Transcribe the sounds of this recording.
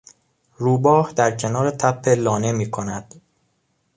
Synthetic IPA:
ruːbɒːhd̪æɾcʰe̞nɒːɾe̞t̪ʰæpʰːe̞lɒːnemiːkʰo̞næd̪̥

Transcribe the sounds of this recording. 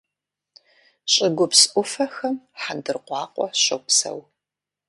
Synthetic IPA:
ɕʼɪɡʷʊpsʔʷʊfɐxɐmħandɨrqʷɑːqʷʼɔ̰ɕowpsɐ̰w

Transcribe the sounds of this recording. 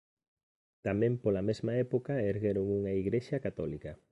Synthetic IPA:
t̪amẽmpolamezmaɛpokaeɾɣeɾoŋuŋaiɣɾeʃɐkat̪ɔlikɐ

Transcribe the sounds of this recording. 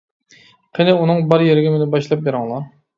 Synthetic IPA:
qʰenɪunɨŋbɑɾjeɾɪɡʲɪmɪnɪbɑʃlˠɑp̚beɾɑŋlˠɑ

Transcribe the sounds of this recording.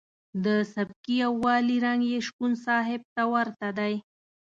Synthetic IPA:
d̪əsab̚kiawːɑliɾaŋɡjeʃkunsɑɦɪb̚t̪awaɾt̪ad̪aj

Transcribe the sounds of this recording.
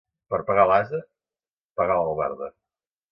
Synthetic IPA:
pəɾpəɣalazə | pəɣaləlˠβɛ̰ɾðə

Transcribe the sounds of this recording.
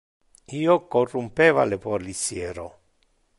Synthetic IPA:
iːɔkːɔrːumpɛːva̰lepɔlisjɛːɾɔ

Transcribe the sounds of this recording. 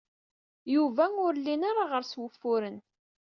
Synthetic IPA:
juvæʊɾlːinaɾaʁəɾswəfːʊɾən

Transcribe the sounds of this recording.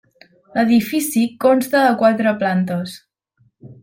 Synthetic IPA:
ləðifisikonst̪əðəkwat̪ɾəplant̪əs

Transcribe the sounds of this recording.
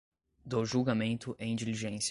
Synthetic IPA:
d̪oʒulɡamẽnt̪ʊʔẽj̃ĩd͡ʒeliʒẽs

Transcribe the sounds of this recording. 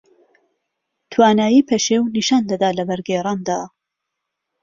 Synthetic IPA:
t̪ʰwaːnaːjiːpʰɐʃewniʃaːnd̪ɐd̪aːlɐbɐɾɡeːɾaːnd̪aː

